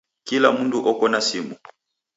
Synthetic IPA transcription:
kila̰munduʔɔkɔnasimu

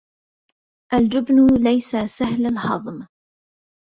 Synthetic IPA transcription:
ʔald͡ʒʊbnʊlajsasahlalhɑðˤm

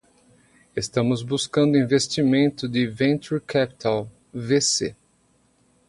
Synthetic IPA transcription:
est̪ɐ̃mʊzbuskɐ̃nd̪ʊĩvest͡ʃimẽnt̪ʊd̪ɪvẽnt͡ʃ̪uɾkʰapi̥t̪ʰaw | vesḛ

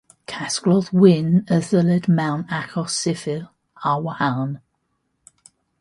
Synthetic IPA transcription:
kʰaskɹɔðwɪnəðələdmaʊnakʰɔsɪfɪl | awəhaln

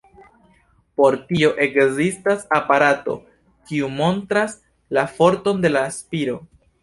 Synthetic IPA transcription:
po̞ɾtio̞ʔe̞kzistasapaɾato̞̰ | kiumo̞ntɾas | lafo̞ɾto̞nde̞laːspiɾo̞

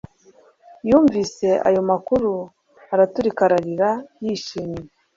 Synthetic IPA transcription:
juːɱvise̞ʔa̰jo̞makuɾu | aɾatuɾikaɾaɾiɾajiʃiːmɲe

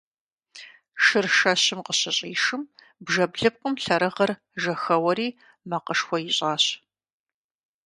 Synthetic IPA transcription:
ʃɨrʃɐɕɪmqəɕɪɕʼiːʂɨm | bʒɐbɮɨp̚qʷʼʊmɬɐɾɐʁɐr | ʒɐxɐwɐɾiː | mɐqəʂxʷɔjɪɕʼaːɕ

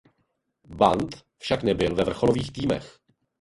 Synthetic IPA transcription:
bant̪ | fʃaknɛbɪlvɛvr̩xoloviːxt̪iːmɛ̰x

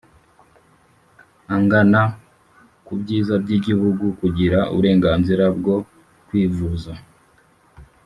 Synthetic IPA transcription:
aŋɡana | kubɟiːzabɟiɟihuɡukuɟiɾaṵβuɾe̞ːŋɡaːnziɾabɡo̞ | kwiːvuza

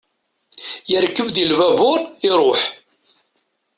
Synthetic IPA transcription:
jəɾkːəvðilvævʊɾˤɪɾˤoħ

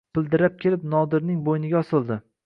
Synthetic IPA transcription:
b̥ɪlˠd̪ɪɾap̚kʲʰelɪpnɒd̪ɪɾnɪŋbojnɪɡʲaɒsɪlˠd̪ɪ

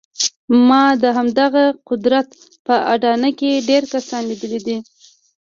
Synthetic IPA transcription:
mɑd̪əɦamd̪aɣaqʊd̪ɾat̪ | pəaɖɑnəkeɖeɾkasɑnlid̪əlid̪i

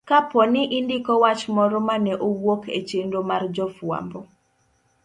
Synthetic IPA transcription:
kapɔnɪʔɪndɪkɔwat͡ʃmɔɾɔmanɛʔowokʰḛt͡ʃendomard͡ʒɔfwa̰mbɔ

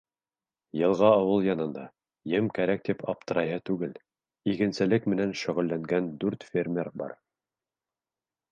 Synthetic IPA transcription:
jɤ̆lˠʁɑːwɤlˠjɑnɤ̆nd̪ɑ | jɘmkæɾæk̚t̪ipʰɑp̚t̪ɤ̆ɾɑjɦɤt̪ʉɡɘl | ikɘ̆nsɘ̆lɘkmɘ̆nænʃɵ̆ʁɵ̆lːæŋɡænd̪ʉɾt̪fʲermʲerbɑ̰ɾ

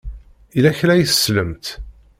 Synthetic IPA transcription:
ilæçlæjθəsləmt̪

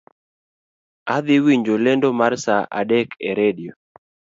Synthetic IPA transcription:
ad̪ɪwiɲd͡ʒolɛndomarsaʔa̰ɗɛkʰɛɾedio

